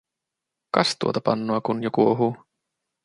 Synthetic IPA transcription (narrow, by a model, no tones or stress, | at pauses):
kɑst̪uot̪ɑpɑ̰nːoɑkunjokuoɦuː